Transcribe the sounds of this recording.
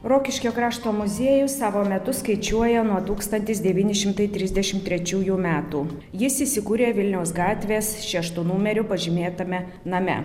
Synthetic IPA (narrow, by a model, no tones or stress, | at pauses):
ɾoːkʲɪʃʲkʲoːkɾɑːʃt̪oːmʊzʲeɛjʊsɑːʋoːmʲɛt̪ʊskɐɪt͡ʃʲuɔjɛnuɔt̪uːkst̪ɐnʲt̪ʲɪsd̪ʲɛʋʲiːnʲɪʃʲɪmt̪ɐɪt̪ʲɾʲɪzʲd̪ʲɛʃʲɪmt̪ʲːɾʲɛt͡ʃʲuːjuːmʲæːt̪uː | jɪsiːsʲɪkuːɾʲeːʋʲɪlʲnʲɛʊsɡɑːt̪ʲʋʲeːsʃʲɛʃt̪uːnuːmʲɛɾʲʊpɐʒʲɪmʲeːt̪ɐmʲɛ | nɐmʲɛ̰